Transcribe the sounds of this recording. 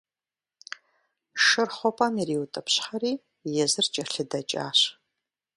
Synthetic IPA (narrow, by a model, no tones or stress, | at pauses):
ʂɨrχʷɔpʼɐmiriːwʊtʼɐpɕħɐriː | jɛzɨrt͡ʃʼɐɬɨdɐt͡ʃʼa̰ːɕ